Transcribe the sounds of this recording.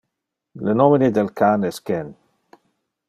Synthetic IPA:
lənɔmɪnid̪ɛlkʰanɛskɛn

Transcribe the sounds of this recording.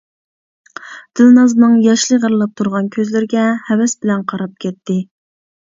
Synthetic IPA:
d̪̥ɨlˠnɑznɨŋjɑʃlˠɨʁəɾlˠɑp̚t̪ʰuɾʁɑnkʲʰøzlɪɾɡʲɛhɛwɛsbɪlɛnqʰɑɾɑp̚kʲʰɛt̪ʰːɪ

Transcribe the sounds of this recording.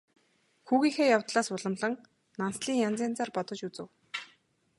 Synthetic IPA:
xuːɣiːxeːjawt̪ɮaːsʊɮə̆mɮə̆ŋ | nansɮiːŋjant͡siːnt͡sarpɔt̪ɞ̆t͡ɕut͡sɘ̆w

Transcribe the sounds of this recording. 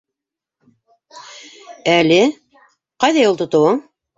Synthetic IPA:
ælɘ | qɑjðɑjolˠt̪ŏt̪ŏwɤɴ

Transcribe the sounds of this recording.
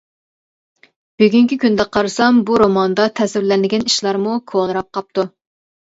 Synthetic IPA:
b̥yɡʲyŋkʲikʲynd̪ɛqʰɑɾɨsɑmbuɾomɑnd̪ɑt̪ʰɛsɪɾlɛnɪɡʲɛniʃlˠɑɾmukʰonˠɨɾɑp̚qʰɑp̚t̪u

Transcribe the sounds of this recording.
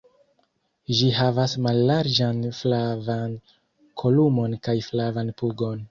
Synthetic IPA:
ʒihavasmalːaɾd͡ʒanflavan | kʰolumo̞nkajflavanpuɡo̞n

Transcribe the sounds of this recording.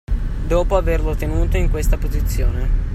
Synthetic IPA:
d̪ɔːpoaverlot̪ːenuːt̪oiŋkwest̪apozit̪sːjoːne

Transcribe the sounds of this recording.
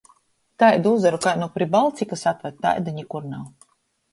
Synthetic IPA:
t̪ajd̪uzaɾukajnɔpɾibalˠt̪sikasat̪vat̪̚ːa̰jd̪aɲikuɾnaw

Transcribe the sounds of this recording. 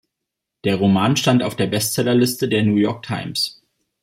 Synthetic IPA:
d̥eːɐʁ̞omaːnʃtantaʊfd̥eːɐbɛstt͡sɛlɐlɪstədeːɐnuːjɔɐk̚tʰaɪms

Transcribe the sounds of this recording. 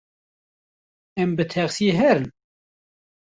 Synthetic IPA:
æmbət̪ʰæʁsiɦæɾn

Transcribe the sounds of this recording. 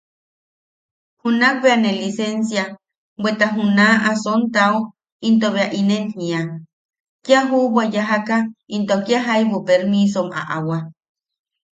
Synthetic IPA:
hunak̚βeanelisensja | bwet̪aɦunaʔasont̪ao | int̪oβeaʔinenhĩa | kjaɦuβajaɦakaint̪oakjaɦajβopeɾmisoma̰ʔawa

